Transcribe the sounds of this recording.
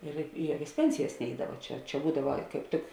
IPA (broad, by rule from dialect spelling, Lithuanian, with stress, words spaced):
ɪr ɪ ˈjuɔkʲɛs ˈpʲɛnʲsʲɪjɛs ˈnʲɛɪdɐʋɐ ˈt͡ʃʲɛ t͡ʃʲɛ ˈbuːdɐʋɐ kɐɪp ˈtʲɪk